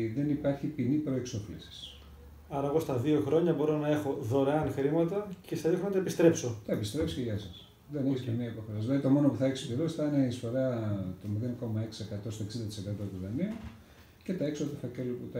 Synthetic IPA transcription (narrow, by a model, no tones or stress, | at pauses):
ðe̞nipɐɾçipinipɾo̞e̞kso̞flisi̥s | ɐɾɐeɣo̞st̪ɐðio̞xɾo̞ɲɐbo̞ɾo̞nɐe̞xo̞ðo̞ɾeɐnxɾimɐt̪ɐcest̪ɐðioxɾonɐt̪ɐepist̪ɾepsot̪ɐepist̪ɾepsi̥ceʝɐsɐs | ðeneçsiɐmiɐpoxoɾɐslɐit̪o̞mo̞no̞puθɐeksopeɾosθɐneisfo̞ɾɐt̪omiðenko̞mɐe̞ksi̥ekɐt̪o̞st̪o̞eksind̪ɐt̪ise̞kɐt̪o̞t̪uðɐniu | ce̞t̪ɐeksot̪ɐfɐceloput̪